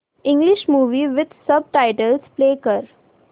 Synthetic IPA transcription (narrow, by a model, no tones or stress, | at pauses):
ɪ̃ŋɡlɪʃmuːʋiʋɪd̪sʌb̚ʈaɪʈəlspleːkəɾ